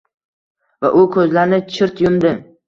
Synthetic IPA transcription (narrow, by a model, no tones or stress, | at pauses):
va̰ʔʊkʰɵzlaɾnɪt͡ʃʰɪɾt̪jʊmd̪ɪ